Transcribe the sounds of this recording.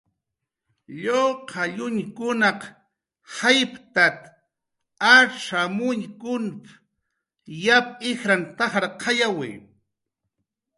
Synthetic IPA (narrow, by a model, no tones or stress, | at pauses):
ʎoqʰɑʎʊɲkʊnɑq | hajpt̪at̪ | aʃamʊɲkʊnp | japʼɪxɾant̪ɑχɾaqʰɑjawḛ